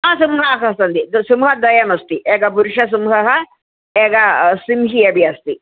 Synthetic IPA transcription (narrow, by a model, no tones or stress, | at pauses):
aːsumɦaːkɐst̪ɐnd̪id̪sumɦɐd̪ɐjɐmɐst̪iʔeːɡɐpuɾʂɐs̬umɦɐɦɐ | eːɡɐsimɦiɐbʱiɐst̪i